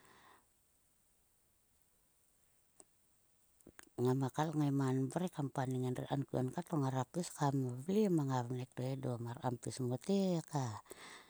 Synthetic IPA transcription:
ŋamakalŋaimanbəɾekampaniŋanrḭʔankuankat̪ɔŋaɾapiskamablimaŋarnɛk̚dɔɛdɔmara̰mpismɔt̪ika

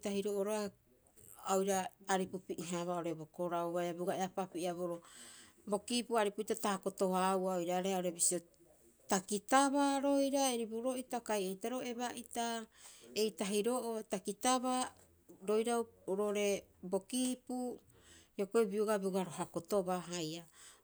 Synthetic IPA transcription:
tahiɾoʔoɾoa | aojɾaːɾipupiʔiɦaβaoɾe̞bo̞ko̞ɾawβajabɡaeapapiʔaβoɾo | bo̞kiːpuaɾipuitatahako̞to̞hawaojɾaɾeaoɾe̞bisio | takitaβaɾo̞jɾaeɾibuɾo̞ʔitakajejtaɾo̞e̞βaʔitae̞jtaɦiɾo̞ʔotakitaβa | ɾo̞jɾawɾoʔoɾe̞bo̞kipu | jokoibiuɡabiuɡaɾoɦako̞to̞baɦaja

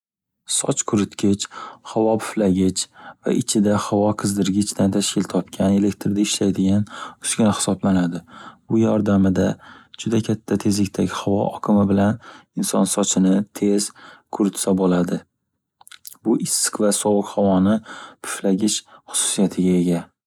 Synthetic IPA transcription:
sɒ̰t͡ʃkʰʊɾɪt̪kʲʰɪt͡ʃhavɒpʰʊ̥flaɡʲɪt͡ʃʰva̰ʔɪt͡ʃʰɪd̪ahawɒqʰɨzd̪ɪɾɡʲɪt͡ʃd̪ant̪ʰaʃkʲɪlt̪ʰɒp̚kʲʰane̞le̞kʲt̪ɾd̪aɪʃlajd̪ɪɡʲanʊsɡʲɪnahɪ̥sɒblanad̪ɪb̥ʊjɒɾd̪amɪd̪ad͡ʒʊd̪akʲʰat̪ʰːat̪ʰe̞zlɪk̚ʲt̪ʰaɡʲɪhavɒʔɒkʰɪmɪbɪlanɪnsɒnsɒt͡ʃʰɪnɪt̪ʰe̞z̥kʰʊɾɪt̪sabolad̪ɪ | bʊʔɪsːɪ̥kvasɒwʊqhawɒnɪpʰʊ̥flaɡʲɪt͡ʃχʊ̥sʊ̥sijat̪ʰɪɡʲae̞ɡʲa

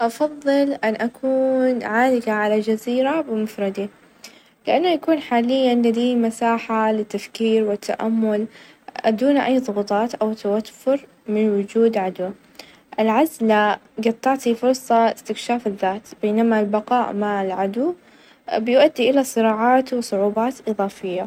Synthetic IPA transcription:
ʔɑfɑðˤːɨlʔanʔakʰuːnʕaːlɪɡaʕalad͡ʒaziːɾabɪmʊfɾˤɑd̪i | lɪʔanːajakuːnħaːlɪjːanlɪd̪iːmasaːħalɪt̪ːafkiːɾwɪt̪ʰːa̰ʔamːʊl | ʔa̰d̪uːnʔajːðˤʊɣuːt̪ˤɑːt̪ʔawt̪ːawafʊɾ | mɪnwʊd͡ʒuːd̪ʕad̪wa | ʔɪlʕazlaɡɑt̪ˤːɑʕt̪ifʊɾsˤɑɪst̪ɪkʃaːfɪðːaːt̪b̥eːnamalbɑqɑːʔmaʕlʕad̪u | bɪjʔad̪ːiʔɪlasˤɨɾɑːʕɑːt̪wɪsˤʊʕuːbɑːt̪ʔɨðˤɑːfɪjːa

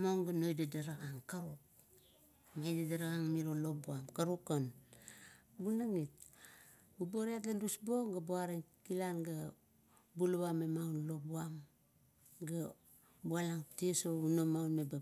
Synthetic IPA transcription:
moŋɡanojdadaɾaɣaŋkaɾuk̚ | mejdadaɾaɣaŋmiɾolobuamkaɾukon | ɡunaŋit̚ | uboɾiatlandusboŋɡabuaɾeŋkilanɡa | buluβamemaunlo̞buam | ɡa | bualaŋtiesounomaunmeba

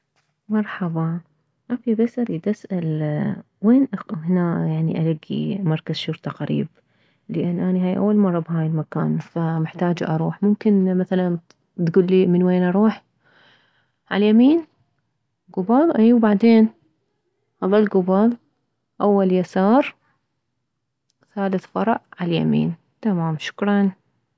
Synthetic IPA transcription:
mɑɾˤħɑbɑ | ʔafibasaɾʔid̪ʔasʔal | weːnʔahɪnaːjaʕniʔalaɡːḭmɑɾˤkaz̥ʃʊɾt̪ˤɑqaɾḭːb̚ | lɪʔɪnːʔaniɦaːjʔa̰wːalmɑrˤːɑbhaːjɪlmaka̰ːnfamɪħt̪aːd͡ʒʔɑɾˤuːħmʊmkɪnmaθalan | t̪ɡuːlːimɪnweːnʔɑɾˤuːħ | ʕa̰ljamiːn | ɡʊbɑlˤʔiːwbaʕd̪eːn | hɑlˤːɑlɡʊbɑlˤ | ʔawːaljasɑːɾˤ | θaːlɪθfɑɾˤɑʕʕalja̰mḭːn | t̪amaːmʃʊ̥kɾˤɑn

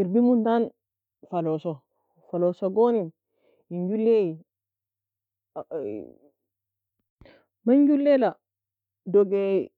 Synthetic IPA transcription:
iɾbimuntan | falɔsɔ | falɔsɔɡonin | iɲd͡ʒulːeji | maɲd͡ʒulːɛla | dɔɡɛ

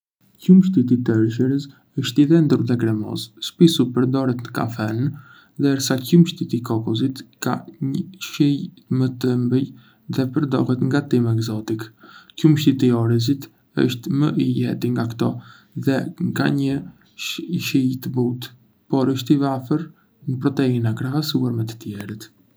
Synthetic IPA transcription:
cumʃt̪it̪̬it̪əɾʃəɾəs | əʃt̪iðɛnd̪uɾðɛkɾɛmɔ̰sʃpisupəɾd̪ɔɾɛt̪nəka̰fɛnn | d̪ɛɾsacumʃt̪it̪ikɔkɔzit̪ka̰ɲəʃij | mət̪əmbəj | ðɛpəɾd̪ɔ̰ɦɛt̪ŋɡat̪imɛɡzɔt̪ikcumʃt̪it̪iɔɾizit̪ | ə̰ʃt̪məʔijɛ̰t̪iŋɡakt̪ɔ | ðɛŋka̰ɲə | ʃijt̪əbut̪ | pɔɾəʃt̪ivafəɾ | nəpɾɔt̪ɛinakɾaɦasuaɾmɛt̪ə̥t̪jɛɾət̪

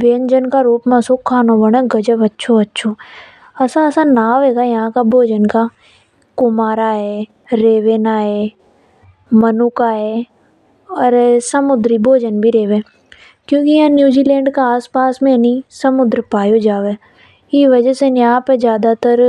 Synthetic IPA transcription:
beːnd͡ʒənkaɾuːpmẽɐsokʰaːnobəɽ̃əɡɐd͡ʒəbɐtːʃʰoɐtːʃʰo | ɐsaɐsanaːʋɛːɡajɐɦãkabʱoːd͡ʒənka | kʊmaːɾaɦɛ | ɾeːʋeːnaːɦe | mənukaɦɛ | ɔːɾsəmʊd̪ɾibʱoːd͡ʒənbʱiɾeːʋẽ | kjõːkijɦãnjuːd͡ʒiːlẽːɳɖkaaːspaːsmẽnisɐmʊd̪ɾəpaːjod͡ʒaːʋe | iʋɐd͡ʒəsenjaãped͡ʒjaːd̪at̪əɾ

